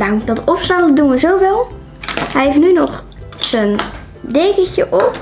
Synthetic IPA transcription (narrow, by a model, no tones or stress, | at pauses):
daŋdɔtɔpsanələdunʋəzowvɪlˠ | hɛjɦefnynɔχ | sən | deːkəçəʔɔp